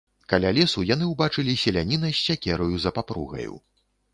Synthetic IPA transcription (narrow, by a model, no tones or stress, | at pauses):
kalʲalʲɛsujan̪ɨwbat͡ʂɨlʲisʲɛlʲanʲinɐjsʲt͡sʲakʲɛɾɐjuzɐpapɾṵɣɐ̰jṵ